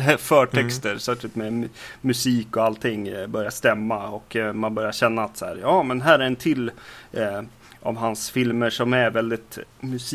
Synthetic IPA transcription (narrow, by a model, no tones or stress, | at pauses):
fœːʈʰɛkst̪əɾsœklɪt̪mɛmɵsiːkɔalt̪ʰɪŋːbœɾjaʂt̪ɛmːaɔkmanbœɾjaɕɛnːaːt̪shæ̰ːɾjɑːmɛnɦæːɾɛɾɛnt̪ʰɪlː | ʔa̰vɦansfɪlməʂɔmæɾvɛld̪ɪt̪mɵs